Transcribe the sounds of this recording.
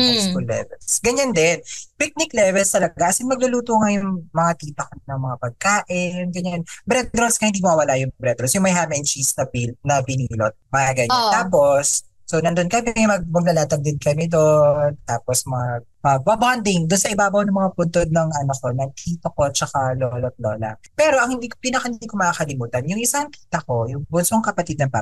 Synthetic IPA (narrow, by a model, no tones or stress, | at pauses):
fajsfulːɛ̰vɛ̰lsɡɐɲand̪ɛnpɪk̚nɪklɛvɛlst̪ɐlɐɡaʔɐsɪnmɐɡ̚lʊluːt̪oŋajʊŋmɐŋak̪iːt̪ɐkɐmɪnɐŋmɐŋapɐɡ̚kaːʔɪnɡɐɲanbɾɛt̪̚ɾoskɐhɪnd̪imwaːwɐlajʊŋmɐbɾɛt̪ɾosjʊŋmɐjɦaːmɛnt͡ʃisnɐpinɐpɪniːlot̪̚mɐɡɐɲantaːposː | onɐnd̪onkɐmɛmɐɡ̚mɐɡ̚lɐlaːt̪ɐɡ̚d̪ɪnkɐmɛd̪ont̪aːposmɐɐŋaɡ̚ | pɐbɐband̪ɪŋd̪ʊnsɐʔɪbaːbɐwnɐŋmɐŋapʊnt̪od̪̚nɐŋʔɐnokonɐɡ̚kʰiːt̪ɐkot͡ʃɐkaloːlot̪̚loːlɐ̰pɛːɾoʔɐŋhɪnd̪iːkopiːnɐkahɪniːkomɐaːkɐlɪmuːt̪ɐnjʊŋʔɪsaŋkiːt̪ɐko̞jʊŋbʊnsoŋkɐpɐt̪id̪̚nɐŋpɐ